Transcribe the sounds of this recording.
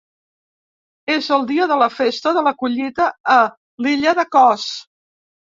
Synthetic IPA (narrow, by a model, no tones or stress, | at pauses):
ezəlˠd̪iəðələfest̪əðələkuʎit̪əː | liʎəðəkɔs